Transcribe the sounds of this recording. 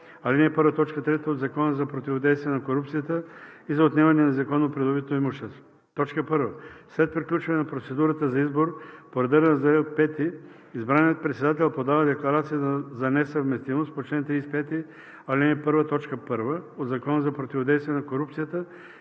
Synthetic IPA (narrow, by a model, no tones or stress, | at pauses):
alinɛpɤɾvət̪ɔt͡ʃkət̪ɾɛt̪əod̪zɐkɔnəzɐpɾot̪ivod̪ɛjst̪vijɛnɐkoɾupt̪sijət̪əizɐot̪nʲɛvɐnɛnɐzɐkɔnopɾɛd̪obit̪noimoʃt̪ɛst̪ | t̪ɔt͡ʃkəpɤɾvəslɛt̪̚pɾiklʲut͡ʃvɐnɛnɐpɾot̪sɛd̪uɾət̪əzɐizboɾpoɾɛd̪əɾɛnɐzaɛpɛt̪i | izbɾanijət̪̚pɾɛt̪sɛd̪at̪̬ɛlˠpod̪avɐd̪ɛklˠɐɾat̪sijəəzɐnɛsəvmɛst̪imost̪pot͡ʃlɛnt̪ispɛt̪i | alinɛpɤɾvət̪ɔt͡ʃkəpɤɾvəod̪zɐkɔnəzɐpɾot̪ivod̪ɛjst̪vijɛnɐkoɾupt̪sijət̪ə